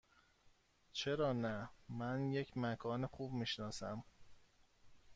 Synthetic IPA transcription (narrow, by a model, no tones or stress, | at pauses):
t͡ʃʰe̞ɾɒːnæmænje̞cʰmækʰɒːnexuːb̚miːʃnɒːsæm